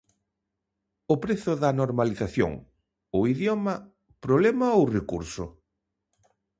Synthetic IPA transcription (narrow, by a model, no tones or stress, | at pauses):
ʊpɾeθʊðɐnoɾmaliθaθjo̰ŋ | ʊiðjɔmɐ | pɾoβlemɐowrekuɾsʊ̰